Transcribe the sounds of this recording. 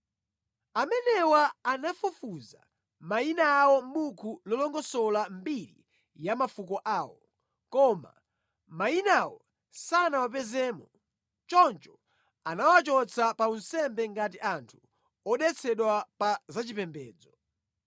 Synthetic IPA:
amɛnɛwaːnafufuza̰ | mainaːwɔm̩ɓukʰulɔlɔŋɡɔsɔlambiɾḭ | jamafukɔʔaːwɔ | kɔma̰ | mainawɔ | sanawap̬ɛzɛːmɔ | t͡ʃɔnt͡ʃɔ̥ | anawat͡ʃɔt͡sʰapaunsɛmbɛŋɡatiʔantʰu | ɔɗɛt͡sʰɛɗwapazat͡ʃipɛmbɛːd͡zɔ

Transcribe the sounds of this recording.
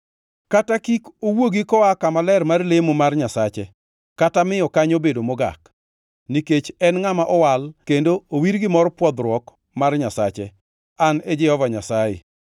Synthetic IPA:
katakikowoɡikɔakamalɛrmarlemomarɲasat͡ʃɛ | katamɪɔkaɲobedomɔɡa̰k | niket͡ʃɛnŋamaʔɔwalkendoowiɾɡɪmɔɾpwɔd̪ɾwɔk | marɲasa̰t͡ʃɛ | aned͡ʒɛhɔvaɲasajḛ

